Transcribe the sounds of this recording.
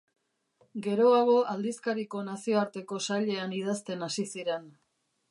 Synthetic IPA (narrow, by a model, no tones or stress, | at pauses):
ɡe̞ɾo̞aɣ̞o̞ʔald̪iskaɾiko̞nasio̞aɾt̪e̞ko̞saʎe̞anið̞ast̪e̞nasisiɾe̞n